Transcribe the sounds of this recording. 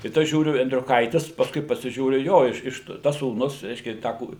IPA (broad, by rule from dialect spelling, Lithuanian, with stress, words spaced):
ˈtɐɪ ˈtɐs ˈʒʲuːrʲʊ ɛnʲdʲrʲʊˈkɐɪtʲɪs pɐsˈkʊɪ pɐsʲɪˈʒʲuːrʲʊ ˈjoː ɪʃ ˈɪʃ tɐs suːˈnʊs ˈrʲɛɪʃʲkʲɛ ˈtɑː ˈkuːrʲɪ